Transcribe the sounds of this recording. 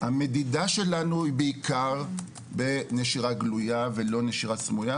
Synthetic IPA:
hame̞didaʃe̞lanuibeikaʁ | beneʃiʁaɡlujave̞lo̞neʃiʁat͡smuja

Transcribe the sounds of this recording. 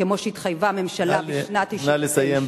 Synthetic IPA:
emo̞ʃeit̪χajvame̞mʃalabiʃnat̪inalesajem

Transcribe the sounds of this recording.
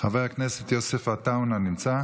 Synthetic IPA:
χavejaknɛsɛt̪josɛfataʊnanimt͡sa

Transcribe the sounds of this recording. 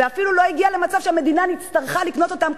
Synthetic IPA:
eafilulo̞iɡiale̞mat͡savʃeame̞d̪inanit̪t͡st̪aʁχalikno̞t̪ot̪am

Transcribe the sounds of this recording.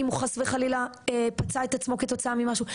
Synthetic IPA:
imuχasveχalilaepat͡saet̪at͡smo̞ke̞t̪o̞t͡saamimaʃu

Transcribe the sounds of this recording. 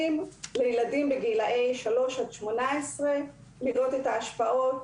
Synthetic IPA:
imlejeladimbeɡiilaʔejʃalo̞ʃadʃmo̞naesʁe | liʁot̪etaːʃpaʔo̞t

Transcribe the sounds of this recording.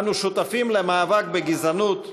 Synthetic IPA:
nuʃut̪afimlemaːvak̚beɡizanut̪

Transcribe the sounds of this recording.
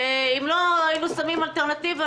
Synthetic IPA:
eimloajinusamimalt̪eʁnat̪iva

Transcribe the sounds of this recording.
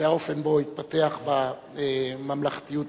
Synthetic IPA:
eao̞fe̞nbo̞it̪̚pat̪e̞aχba | emamlaχt̪ijut̪

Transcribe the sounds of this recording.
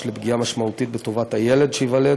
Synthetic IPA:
lebɡijamaʃmaut̪it̪̚bet̪o̞vat̪hajele̞d̪ʃeivale

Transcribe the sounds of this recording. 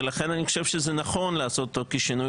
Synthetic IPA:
laχe̞nanixoʃev̥ʃezenaχo̞nleaso̞t̪tokiʃinu

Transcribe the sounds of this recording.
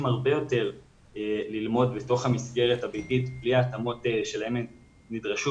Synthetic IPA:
mhaʁbe̞jo̞te̞ʁ | elilmo̞dbeto̞χhamisɡe̞ʁethabititbliaːtamo̞teʃe̞lae̞m | nidʁaʃu

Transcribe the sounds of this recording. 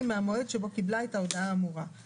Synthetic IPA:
meamoedʃebo̞kiblaetao̞daaːmuʁa

